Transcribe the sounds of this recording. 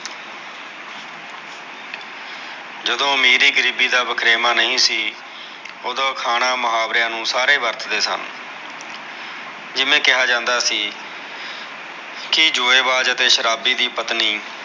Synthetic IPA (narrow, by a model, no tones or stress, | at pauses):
d͡ʒəd̪õːmeːɾiːɡəɾiːbiːd̪aːbəkɾeːmaːnəɦĩːsiː | oːd̪ãːkʰaːɽ̃aːməɦaːbɾɪjãːnũːsaːɾeːʋəɾt̪ʰd̪eːsə̰n | d͡ʒɪmẽːkɪɦaːd͡ʒãːnd̪aːsiː | kɪd͡ʒʊːeːʋaːd͡ʒət̪eːʃəɾaːbiːd̪iːpət̪niː